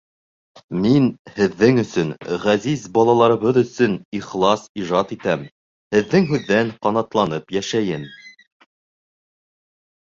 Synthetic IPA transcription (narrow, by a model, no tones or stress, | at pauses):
minhɘ̆ðːɘŋɵ̆sɵnʁæzizbɑlˠɑlˠɑɾɤ̆βɤðɵ̆sɵniχlˠɑsiʒɑt̪it̪æm | hɘ̆ðːɘŋɦʉðːæɴqɑnɑt̪lˠɑnɤpjæʃæjɘm